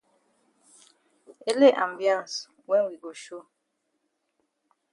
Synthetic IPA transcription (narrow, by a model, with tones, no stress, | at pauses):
e˦le˦ʔã˨mbjã˦˨n˨s | wɛ˦nwi˨ɡo˨ʃo˦˨